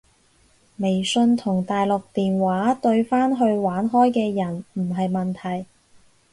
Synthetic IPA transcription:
me˨˩jsɵ˧nt̪ʰʊ˨˩ŋt̪aː˨jlʊ˨k̚t̪iː˨nwaː˨˥t̪ɵ˧ɥfaː˥nɦɵ˧ɥwaː˨˥nɦɔː˥jkɛː˧jɐ˨˩nm̩˨˩ɦɐ˨jmɐ˨˩nt̪ʰɐ˨˩j

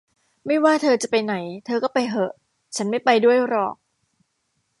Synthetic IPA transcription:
ma˥˩jwaː˥˩t̪ʰɤː˧t͡ɕa˨˩pa˧jna˩˦jt̪ʰɤː˧kɔː˥˩pa˧jɦɤ˨˩ʔ | t͡ɕʰa˦˥nma˥˩jpa˧jdu˥˩əjɾɔ̰ː˨˩k̚

